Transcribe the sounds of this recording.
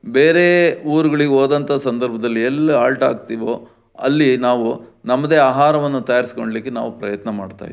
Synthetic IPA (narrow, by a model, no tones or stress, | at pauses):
be̞ːɾe̞uːɾuɡɐɭiɡeoːd̪ɐnt̪asɐnd̪ɐɾbʱɐd̪ɐlːiɛlːɐaːlʈa̰ːɡt̪iːʋo̞ː | ɐ̰lːinaːʋunɐmːɐd̪e̞ːaːɦaːɾɐʋɐnːut̪ɐjaːɾisi̥ko̞ɳɖlikːena̰ːʋupɾɐjɐt̪nɐmaːɖt̪a̰ːj